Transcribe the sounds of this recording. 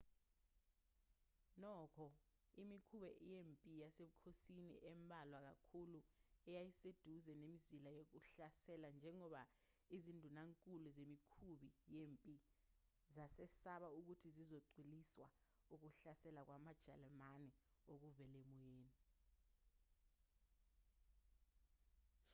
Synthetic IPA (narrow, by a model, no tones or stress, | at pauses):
nɔkʰɔ | imikʰuɓɛʔijempʼijaseɓukʰosinḭʔɛmbʱalwak̬akʰuluɛjajised̥ʱuzɛnemizilajok̬uɬasɛland͡ʒʱɛŋɔɓa | izindʱunaŋkʼuluzemikʰuɓijempʼi | zasɛsaɓauk̬utʰizizoǀwiliswa̰ | uk̬uɬasɛlak̬wamad̥ʒ̥ʱalɛmanɛok̬uvɛlemɔjeːni